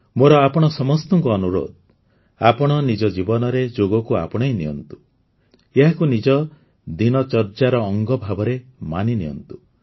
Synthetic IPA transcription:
moɾɔapɔɽ̃ɔsɔmɔst̪ɔŋkɔːnuɾo̰d̪̚ | apɔɽ̃ɔnid͡ʒɔd͡ʒibɔnɔɾed͡ʒoɡɔkua̰pɔɽ̃ɔjniɔ̰nt̪u̥ | eɦakunid͡ʒɔ | d̪inɔt͡ʃɔɾt͡ʃaɾɔːŋɡɔbʱabɔɾemaniniɔ̰nt̪u̥

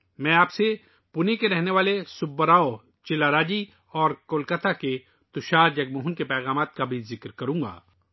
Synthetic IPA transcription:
mɛ̃ːaːpse | pʊnekeɾɛɦneʋaːlesʊbːəɾaːo | t͡ʃɪlaɾaːd͡ʒi | ɔːɾkoːlkət̪ʰake | t̪ʊʃaːɾd͡ʒɐɡmoːɦʊnkepɛːɣaːmaːt̪̚kabʱizɪkɾkɐɾũːŋɡa̰ː

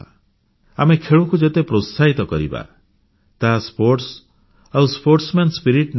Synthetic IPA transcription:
a | amekʰeɭukud͡ʒet̪epɾot̪saɦit̪ɔkɔɾḭba̰ | t̪aɦaspoɾʈs | awspoɾʈsmenspiɾiʈn

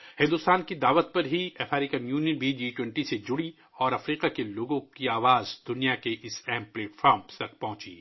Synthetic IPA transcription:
hɪ̃nd̪ʊst̪aːnkid̪aːʋət̪̚pɐɾɦiɐfʰɛːɾɪkənjuːnijənbʱid͡ʒiːʈwɛ̃ɳʈised͡ʒʊɽi | ɔːɾɐfɾiːqakeloːɡõkiaːʋaːzd̪ʊnijakeʔɪsɛɦmplɛːʈfʰaːɾmst̪ɐk̚pɐ̃ɦʊ̃t͡ʃḭː

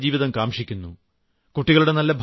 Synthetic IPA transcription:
d͡ʑiːʋiðɐmkaːmʂikʲːunːu | kuʈːiɣɐɭuɽe̞nɐlːɐbʱ

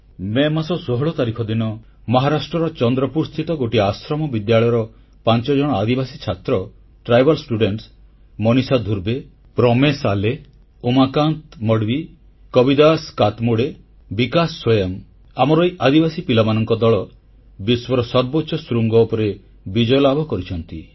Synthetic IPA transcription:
memasɔsoɦɔɭɔt̪aɾikʰɔd̪inɔ | mɔɦaɾasʈɾɔɾɔt͡ʃɔnd̪ɾɔpuɾst̪ʰit̪ɔɡoʈiasɾɔmɔbid̪jaɭɔjɔɾɔ | pant͡ʃɔd͡ʒɔɽ̃ɔad̪ibasit͡ʃʰat̪ɾɔ | ʈɾajbʱɔlsʈuɖeɳʈs | mɔnisad̪ʱuɾbe | pɾɔmesale | umakant̪mɔɽbi | kɔbid̪askat̪muɽe | bikasswɔjɔm | amɔɾɔjʔad̪ibasipilamanɔŋkɔd̪ɔɭɔ | biswɔɾɔsɔɾbɔtːʃɔsɾuŋɡɔupɔɾe | bid͡ʒɔjɔlabʱɔkɔɾit͡ʃʰɔnt̪i

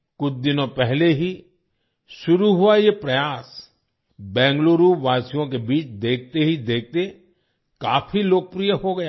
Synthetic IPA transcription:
kʊt͡ʃʰd̪ɪnõpɛɦleɦi | ʃʊɾuɦʊajepɾɐjaːs | bɛ̃ːŋɡloːɾuːʋaːsijõk̬ebiːt͡ʃd̪eːk̚ʰt̪eɦid̪eːk̚ʰt̪e | kaːfiloːk̚pɾijəɦoɡɐja

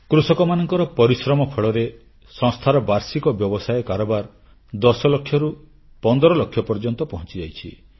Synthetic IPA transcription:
kɾusɔkɔmanɔŋkɔɾɔpɔɾisɾɔmɔpʰɔɭɔɾe | sɔ̃ŋst̪ʰaɾɔbaɾsikɔbjɔbɔsajkaɾɔbaɾ | d̪ɔsɔlɔkʰːjɔɾu | pɔnd̪ɔɾɔlɔkʰːjɔpɔɾd͡ʒɔnt̪ɔpɔɦɔ̃nt͡ʃid͡ʒajt͡ʃʰi

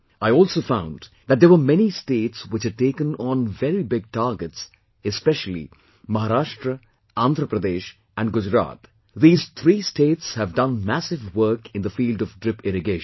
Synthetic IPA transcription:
aɪɔːlˠsoːfãʊ̃n | ðæt̚d̪əʋəmɛnisʈeːʈswɪt͡ʃhæɖ̚ʈeːkə̃nɔ̃nvɛɾibɪɡ̚ʈaːɾɡəts | ɛspɛʃəlˠḭ | mʌɦaɾaːʃʈɾə | ãnd̪ʱɾəpɾəd̪eːʃ | æ̃nɖɡʊd͡ʒɾa̰ːt̪ | ðiːz̥t̪ʰɾiːsʈeːʈshævdʌ̃nmæsɪvwəɾkɪ̃nd̪əfiːlɖɔvɖɾɪpɪɾɨɡeːʃ

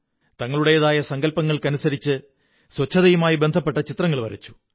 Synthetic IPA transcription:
t̪ɐŋːɐɭuɽe̞jɐðaːjɐsɐŋɡɐlpɐŋːɐɭkɐnusɐɾit͡ɕːɨ | swɐt͡ɕʰːɐðɐjumaːjibe̞nd̪ʱɐpːe̞ʈːɐt͡ɕit̪rɐŋːɐɭʋɐ̰ɾɐ̰t͡ɕːu̥

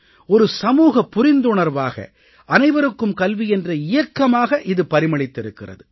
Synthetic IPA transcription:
ɔɾɯsɐmuːɣɐpːʊɾɪnd̪ʊɳɐɾʋaːɣɐ̰ | ʔɐnɐɪʋɐɾɯkːɯmkɐlʋiɛndrɐɪjɐkːɐmaːɣɐʔɪðɯpɐɾɪmɐɭɪt̪ːɪɾɯkːɪrɐ̰ðɯ

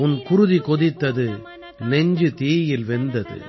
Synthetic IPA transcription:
ʊnkʊɾʊðikɔðɪt̪ːɐðɯ | nɛɲd͡ʒɯt̪iːjɪlʋɛnd̪ɐðɯ̰

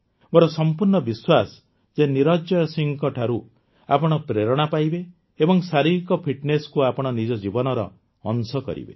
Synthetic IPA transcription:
bɔɾɔsɔmpuɾɳɔbiswas | d͡ʒeniɾɔd͡ʒɔjɔsiŋkɔʈʰaɾu | a̰pɔɽ̃ɔpɾeɾɔɽ̃apajbe | ebɔŋsaɾiɾikɔpʰiʈneskuapɔɽ̃ɔnid͡ʒɔd͡ʒibɔnɔɾɔ̰ː | nsɔkɔ̰ɾḭbḛ

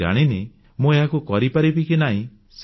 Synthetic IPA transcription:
a̰ɽ̃ine | mũeɦakukɔɾipaɾibikinaɦĩ | s

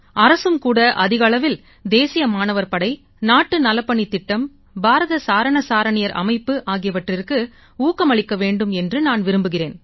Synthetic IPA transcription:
ɐɾɐsɯmkuːɽɐʔɐðɪɣɐɭɐʋɪl | d̪eːsɪjɐmaːnɐʋɐɾpɐɽɐɪ | naːʈːɯnɐlɐpːɐɳit̪ːɪʈːɐm | bʱaːɾɐðɐsaːɾɐɳɐsaːɾɐɳɪjɐɾʔɐ̰mɐɪpːɯʔaːɣɪjɐʋɐʈrɪrkɯ | uːkːɐmɐɭɪkːɐʋeːɳɖɯmɛndrɯnaːnʋɪɾɯmbɯɣɪreːn

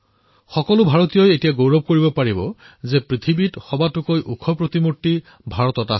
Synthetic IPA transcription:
xɔkɔlʊbʱaɹotijɔjetijaɡowɹɔb̚ʱkoɹibɔpaɹibɔ̰ | zɛpɹit̪ʰibitxɔbatʊkojʔukʰɔpɹot̪imutːi | bʱaɹɔtɔta

